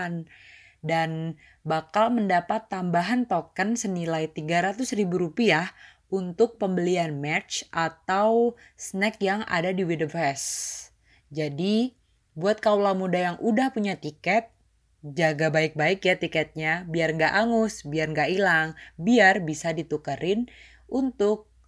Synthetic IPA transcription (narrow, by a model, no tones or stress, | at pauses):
n | dan | bakalməndapat̪ːambaɦant̪okənsənilajt̪iɡaɾat̪ʊsribuɾupiah | ʔunt̪ʊk̚pəmbəlianmɛt͡ʃʔat̪aw | sənɛkjaŋa̰dadiwidəvɛs | d͡ʒadi | buat̪̚kawlamudajaŋʔudahpuɲat̪ikɛt̪̚ | d͡ʒaɡabaɪk̚baɪkjat̪ikɛt̪̚ɲabiarŋɡaʔaŋʊsbiarŋɡaʔilaŋbiarbisadit̪ukəɾʔɪn | ʔunt̪ʊk̚